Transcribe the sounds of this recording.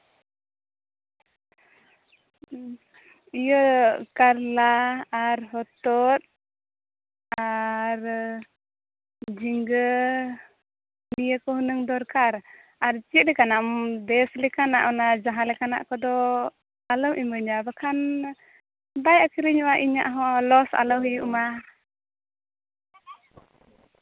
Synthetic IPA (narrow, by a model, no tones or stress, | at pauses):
ijəkaɾlaaɾɦɔt̪ɔt̪̚ | aɾ | d͡ʒiŋɡə | nijəkɔɦunəŋd̪ɔɾkaɾ | aɾt͡ʃiʔ̚lɛkanamdɛslɛkana̰ʔɔnad͡ʒaɦalɛkana̰ʔkɔd̪ɔ | alɔwʔiməɲabakʰan | bajakiɾiɲuaʔiɲa̰ʔɦɔlɔsa̰lɔwijuʔma